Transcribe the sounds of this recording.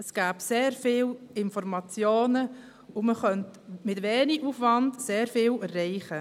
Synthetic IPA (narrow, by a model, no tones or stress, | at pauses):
əsɡ̥æːbseːɾfɪːlɪnfɔɾmɑt͡sjoːnə | ʊməχœntmɪtʋeːniʔufʋɑndseːɾfɪːlɛrːɛɪχə